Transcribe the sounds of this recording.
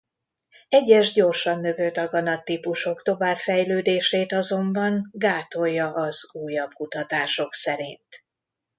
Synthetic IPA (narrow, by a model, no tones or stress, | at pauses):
ɛɟːɛʒɟo̞rʃɒnːø̞vølt̪ɒɡɒnɒt̪ipuʃo̞kt̪o̞vaːbfɛjløːd̪eːʃeːt̪ɒzo̞mbɒŋɡaːt̪o̞jːɒʔɒz̥uːjɒb̚kut̪ɒt̪aːʃo̞ksɛɾint̪